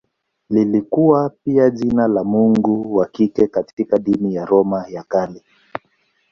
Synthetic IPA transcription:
lilikuwapiaʄinalamuŋɡuwakikɛkatikaɗinijaɾɔmajakali

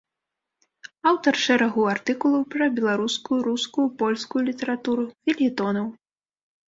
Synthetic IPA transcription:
awt̪ɐrʂɛɾaɣuart̪ɨkulˠɐwpɾɐbʲɛlˠaɾuskujuɾuskujupɔlʲskujulʲit̪ɛɾat̪uɾuvʲilʲit̪ɔnɐw

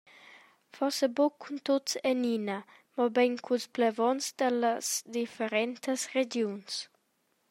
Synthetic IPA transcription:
fɔsəbukʰːunt̪otsenina | mɔbɛnkʰulsplevɔnsd̪ələsd̪ifeɾɛnt̪əsred͡ʒjuns

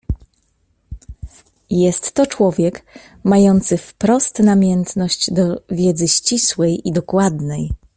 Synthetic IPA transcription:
jɛst̪ːɔt͡ʂwɔvʲjɛk | majɔnt̪sɘfpɾɔst̪namʲjɛnt̪nɔɕd͡ʑd̪ɔvʲjɛd̪zɘɕt͡ɕiswɛjʔid̪ɔkwad̪nɛj

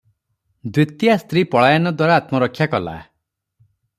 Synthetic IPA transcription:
d̪wit̪jast̪ɾipɔɭajanɔd̪waɾaːt̪mɔɾɔkʰːjakɔla̰

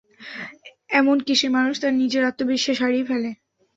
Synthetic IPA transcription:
ɛmonkiʃemanuʃt̪aɾnid͡ʑeɾat̪ːobiʃːeʃaɾifʰɛle

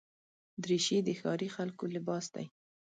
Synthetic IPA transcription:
d̪ɾiʃid̪əxɑɾixalkolɪbɑsd̪a̰j

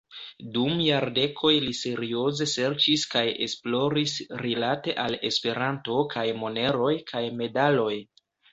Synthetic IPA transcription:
dumjaɾde̞kʰo̞jlise̞ɾio̞ze̞se̞ɾt͡ʃiskaje̞̰splo̞ɾisɾilate̞ʔale̞̰spe̞ɾanto̞kʰajmo̞ne̞ɾo̞jkʰajme̞dalo̞j

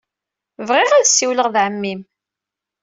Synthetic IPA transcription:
vʁɪʁæðsːiwləʁðʕəmːim

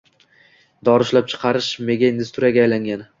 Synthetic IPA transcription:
d̪ɒɾɪʃlap̚t͡ʃʰɨ̥qʰɑɾɪʃme̞ɡʲaind̪ɪst̪ʰuɾjaɡʲajlaŋɡʲan

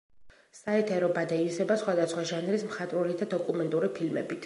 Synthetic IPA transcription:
saɛt̪ʰɛɾɔbad̪aizɛbasχwad̪asχwaʒanɾismχat̪ʼɾulid̪ad̪ɔkʼumɛnt̪ʼuɾipʰilmɛ̰bit̪ʰ

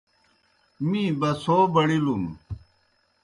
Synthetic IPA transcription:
mĩbɐsoːbɐɽilum

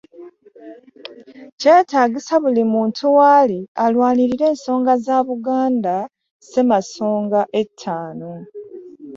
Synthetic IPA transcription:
ceːtaːɡisaβulimuːntʰuwaːlialwaːniɾiɾe̞ːnso̞ːŋɡazaβuɡaːnda | se̞maso̞ːŋɡaʔe̞tʰːaːno

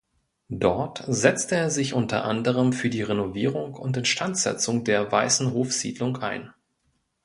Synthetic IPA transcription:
d̥ɔɐtzɛt͡stəeːɐzɪçʔʊntɐ̰ʔa̰ndəʁ̞əmfyːɐdiːʁenoviːʁ̞ʊŋʊntɛntʃtantz̥ɛ̰t͡sʊŋdeːɐvaɪsn̩ɦoːfz̥ḭːdlʊŋʔa̰ɪn

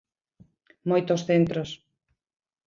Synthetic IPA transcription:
mojt̪osθent̪ɾos

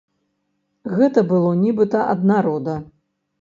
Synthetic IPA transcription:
ɣɛt̪ɐbɨlˠɔnʲibɨt̪ɐʔɐ̰d̪naɾɔd̪ɐ

